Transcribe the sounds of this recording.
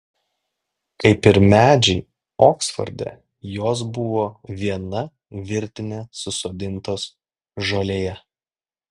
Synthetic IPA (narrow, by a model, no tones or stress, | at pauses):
kɐɪpɪɾmʲæːd͡ʒʲɛɪ | oːksfɔ̰ɾʲd̪ʲɛ̰ | joːs̬bʊʋoːʋʲiɛnɐ | ʋʲɪɾʲt̪ʲɪnʲesʊsoːd̪ʲɪnˑt̪oːs | ʒolʲeːjɛ